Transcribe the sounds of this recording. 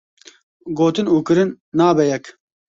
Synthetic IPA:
ɡoːt̪ɨnuːkɨɾɨnːaːbɛjɛk

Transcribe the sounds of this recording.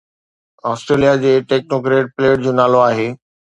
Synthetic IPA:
ɔːsʈɾeːlijad͡ʑeːʈeːk̚noːkɾeːʈ̚pleːʈd͡ʑoːnaːloaːɦeː

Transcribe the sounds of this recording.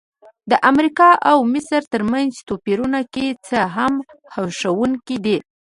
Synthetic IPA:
d̪əʔamɾikɑʔawmɪsɾt̪əɾmanzt̪opiɾunaket͡səɦam | hawʃawuŋkid̪i

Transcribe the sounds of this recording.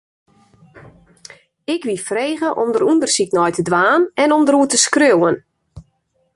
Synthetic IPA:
ɪkʋifreːɣəʔɔmdəɾundərsiknɔjtədʋaːnɛnɔmdəɾuətəskrøwən

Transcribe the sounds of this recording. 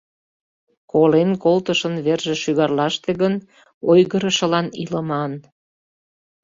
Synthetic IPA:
kolenkolt̪əʃənβerʒeʃyɣɑrlɑʃt̪eɣən | ojɣəɾəʃə̆lɑniləmɑn

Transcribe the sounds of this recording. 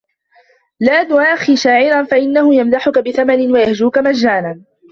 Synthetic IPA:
laːdʊʔaːxiʃaːʕɪɾanfaʔɪnːahʊjamdaħʊkabɪθamanɪnwajahd͡ʒuːkamad͡ʒːaːnan

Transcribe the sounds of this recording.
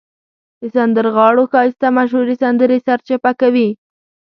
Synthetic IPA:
d̪̥əsand̪əɾɣɑɽoxɑjɪst̪amaʃ̬huɾisand̪əɾesaɾt͡ʃapakawi

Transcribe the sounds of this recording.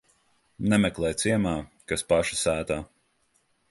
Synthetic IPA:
nɛmɛklˠɛːjt̪siɛmaːkaspaʃḁsæːt̪aː

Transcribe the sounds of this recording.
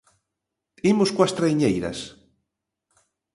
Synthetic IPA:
imuskwast̪ɾajɲejɾa̰s

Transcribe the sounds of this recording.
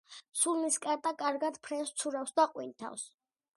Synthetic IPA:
sulniskʼaɾt̪ʼakʼaɾɡad̪pʰɾɛst̪sʰuɾawfsd̪aqʼwint̪ʰa̰ws

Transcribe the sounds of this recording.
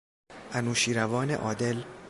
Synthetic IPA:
ʔænuːʃiːɾævɒːnḛʔɒːd̪e̞l

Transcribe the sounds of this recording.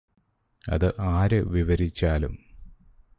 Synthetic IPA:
ɐ̰ðɨʔaːɾɐʋiʋɐɾit͡ɕːaːlṵm

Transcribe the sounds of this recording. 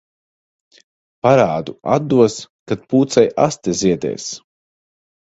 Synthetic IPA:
paɾaːd̪ua̰d̪ːuɔskat̪̚puːt̪sajast̪eziɛd̪ɛ̰ːs

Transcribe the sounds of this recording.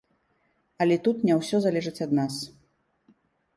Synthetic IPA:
ɐlʲɛt̪ut̪nʲɛwsʲɔzalʲɛʐɨt͡sʲɐd̪nas

